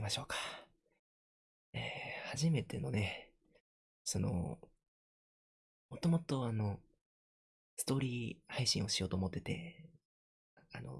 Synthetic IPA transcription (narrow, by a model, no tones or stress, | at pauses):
imaɕo̞ːkḁ | eːhaʑime̞t̪e̞no̞ne̞ | so̞no̞̰ | mo̞t̪o̞mo̞t̪o̞ano̞ | sɨ̥t̪o̞ːɾʲiːhaiɕḭ̃ɰ̃o̞ɕijo̞ːt̪oːmo̞t̪ːe̞t̪e̞̰ | a̰no̞̰